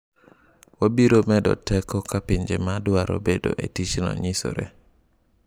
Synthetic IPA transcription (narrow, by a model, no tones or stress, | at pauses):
wabiɾomɛdɔ̰tɛkʰɔkapiɲd͡ʒemadʊaɾʔo̰bedo̰ʔetit͡ʃinɔ̰ɲiso̰ɾɛ̰